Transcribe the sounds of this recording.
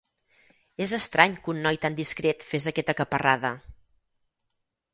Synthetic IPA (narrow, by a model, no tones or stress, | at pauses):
ezəst̪ɾaɲkunːɔjt̪and̪iskɾet̪fezəkɛt̪əkəpəraðə